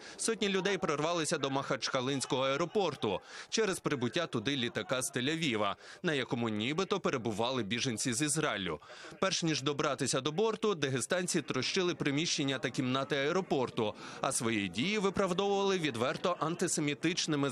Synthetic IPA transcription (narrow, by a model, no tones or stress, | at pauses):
sɔtʲnʲilʲʊd̪ɛjpɾɔrʋɑlˠɪsʲɐd̪ɔmɐxɐt͡ʃkɐlˠɪnʲsʲkɔɦɔɐɛɾɔpɔrt̪ʊt͡ʃɛɾezpɾɪbʊtʲːat̪ʊd̪ɪlʲit̪ɐkɑst̪elʲɐʋʲiʋɐ̰nɐjɐkɔmʊnʲibɪt̪ɔpeɾebʊʋɑlˠɪbʲiʒenʲt͡sʲizizɾɑɪlʲːʊ̰pɛrʃnʲiʒd̪ɔbɾɑt̪ɪsʲɐd̪ɔbɔrt̪ʊd̪eɦest̪ɑnʲt͡sʲit̪ɾɔʃt͡ʃɪlˠɪpɾɪmʲiʃt͡ʃenʲːɐt̪ɐkʲimnɑt̪ɪɐɛɾɔpɔrt̪ʊɐsʋɔjidʲijiʋɪpɾɐwd̪ɔʋʊʋɐlˠɪʋʲid̪ʋɛrt̪ɔʔɐnt̪ɪsemʲit̪ɪt͡ʃnɪmɪ